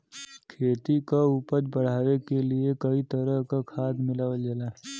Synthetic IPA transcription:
kʰeːt̪ikaʊpəɾbəɽ̤aːʋekeliekɐit̪əɾəɦkakʰaːd̪mɪlaːʋəld͡ʒalaː

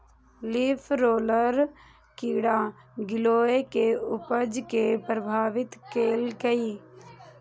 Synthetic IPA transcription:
liːpʰɾoːləɾ | kiːɽaː | ɡɪloːekeʊpəd͡ʒkepɾəbʱaːʋɪt̪keːlkəiː

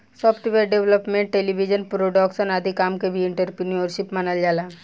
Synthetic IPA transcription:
sɔpʰʈiʋeɖeʋləpmẽɳʈʈelibʱid͡ʒənpɾoɖɔksənad̪ʱikaːmkebʱiɪɳʈəɾpɾinioɾʃipmanəld͡ʒaːlaː

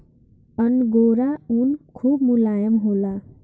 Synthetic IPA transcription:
pʌnɡoɾaunkʰubmulajʌmɦola

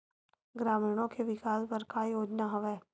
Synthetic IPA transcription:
ɡɾaːmiːɽ̃õkeʋɪkaːspɐɾkaːjoːd͡ʒnaɦɐʋɛː

